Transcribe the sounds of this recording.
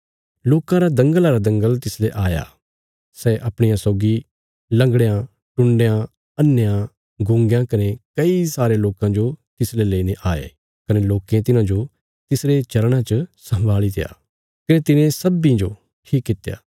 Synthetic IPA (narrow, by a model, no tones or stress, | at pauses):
loːkãɾad̪ɐ̃ŋɡəlaɾad̪ɐ̃ŋɡəlt̪ɪsleʔaːja̰ | sɛʔɐpɽ̃ɪjãsɔːɡi | lɐ̃ŋɡɽjã | ʈʊ̃ɳɖjã | ɐnːjã | ɡʊ̃ŋɡjãkɐnekɐisaːɾeloːkãd͡ʒot̪ɪsleleːineʔaːḛ | kɐneloːkẽt̪ɪnãd͡ʒo | t̪ɪsɾet͡ʃɐɾɽ̃ãt͡ʃəsɐ̃mbʱaːlit̪ḛja̰ː | kɐnet̪ɪnẽsɐbĩd͡ʒo | ʈʰiːkːɪt̪eja̰ː